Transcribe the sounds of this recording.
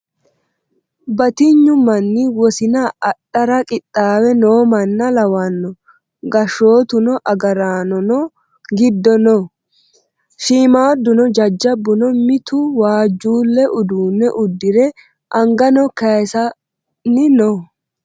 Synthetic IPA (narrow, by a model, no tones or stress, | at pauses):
bɐt̪ɪɲːʊmɐnːɪwɔsɪnaːɗːɐɾɐkʼɪt̪ʼːaːwɛnoːmɐnːɐlɐwɐnːɔ | ɡɐʃːo̞ːt̪ʊnɔʔɐɡɐɾaːnɔnɔ | ɡɪd̪ːɔnɔ | ʃiːmaːd̪ːʊnɔd͡ʒɐd͡ʒːɐbːʊnɔmɪt̪ʊwaːd͡ʒːuːlːɛʔʊd̪uːnːɛʔʊd̪ːɪɾɛ | ʔɐŋɡɐnɔkɐsɐ | nɪnɔ